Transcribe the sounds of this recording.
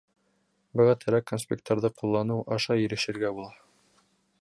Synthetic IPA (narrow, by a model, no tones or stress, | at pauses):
bɤ̆ʁɑt̪ʰɘ̆ɾækːonspʲek̚t̪oɾðɤqulˠːɑnɤwɑʃɑjɘ̆ɾɘ̆ʃɘ̆ɾɡæbulˠɑ